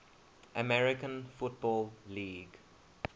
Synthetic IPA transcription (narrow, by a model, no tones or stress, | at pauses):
ʔəmɛɹɪkə̃nfʊt̚bɔːlliːɡ